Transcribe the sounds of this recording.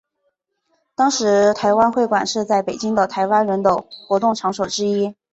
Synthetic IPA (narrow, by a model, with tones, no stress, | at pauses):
t̪ɑ˥ŋʂɻ̩˧˥t̪ʰa˧˥ɪwa˥nxwe˥˩ɪkwa˨˩nʂɻ̩˥˧t͡sa˥˩ɪpe˨˩ɪt͡ɕi˥ŋd̪ə˨t̪ʰa˧˥ɪwa˥nɻə˧˥nd̪ə˧xwɔ˧˥t̪ʊ˥˩ŋʈ͡ʂʰɑ˧˥ŋʂo˨˩ʊʈ͡ʂɻ̩˥i˥